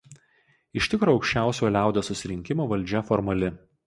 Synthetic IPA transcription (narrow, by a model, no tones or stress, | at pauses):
ɪʃʲt̪ʲɪkɾoːɒʊkʃʲt͡ʃʲæˑʊsʲoːlʲæˑʊd̪ʲoːsʊsʲɪɾʲɪŋʲkʲɪmoːʋɐlʲˑd͡ʒʲɛfɔɾmɐlʲɪ